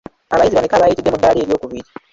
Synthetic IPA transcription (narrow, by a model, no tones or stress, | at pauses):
aβajiziβanekaβajitidːemudːaːle̞ːɾjo̞ːkuβiɾi